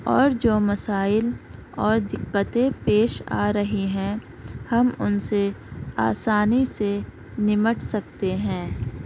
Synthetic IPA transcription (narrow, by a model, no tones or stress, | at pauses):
ɔːɾd͡ʒoːmɐsaːɪlɔːɾd̪ɪqːət̪ẽpeːʃa̰ːɾɐɦiɦɛ̃ː | hɐmʊ̰nseaːsaːnise | nɪməʈʰsɐk̚t̪eɦɛ̃ː